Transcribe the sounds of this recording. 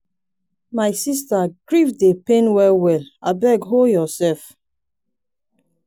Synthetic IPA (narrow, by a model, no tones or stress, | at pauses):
majsistaɡ̥ɹivdepẽnwɛwɛlabɛɡɦojɔsɛlf